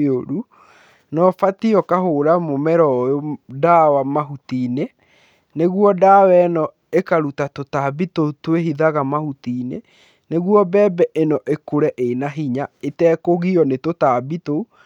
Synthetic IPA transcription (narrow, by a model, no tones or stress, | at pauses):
oɾu | nɔfatiɔkaɦoɾamomɛɾɔjodawamaɦutine | neɣwɔdaːwɛnɔ | ekaɾutatotabitotwehiðaɣamahutinḛ | neɣwɔbɛːbɛʔenɔʔekoɾɛʔenaɦiɲaetɛːkoɣiɔnetotaːbito